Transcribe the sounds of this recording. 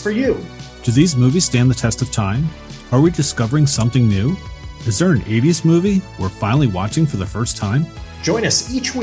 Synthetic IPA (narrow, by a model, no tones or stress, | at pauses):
fə˞jʉd̥ɨðizmuviz̥stæ̃nðɨtʰɛstʌv̥tʰãɪ̃m | ə˞widɨskʌvə˞ɪ̃ŋsʌ̃mθɪ̃ŋnʉɨzðə˞ɨ̃neɪɾiɨsmuviwɪɹfãɪ̃nl̩ˠiwɑ̰t͡ʃɪ̃ŋfə˞ðəfɜ˞stʰãɪ̃m̥d͡ʒɔ̃ɪ̃nʌsit͡ʃwi